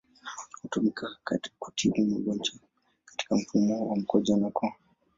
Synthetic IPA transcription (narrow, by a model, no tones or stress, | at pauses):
hutumikakakutʰiɓumaɡɔnd͡ʒa | kḁti̥kam̩fumɔwam̩kɔd͡ʒanakɔ